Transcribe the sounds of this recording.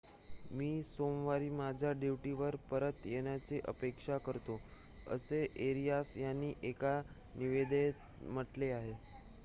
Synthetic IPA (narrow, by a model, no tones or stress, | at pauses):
miːsomʋaɾiːmad͡ʑʱjaɖiʋʈiʋəɾpəɾət̪jeɽ̃jat͡seʔə̰pekʂakəɾt̪o | ə̰seʔeɾijasjanːiːʔeka | niʋed̪et̪ | m̤əʈleaɦe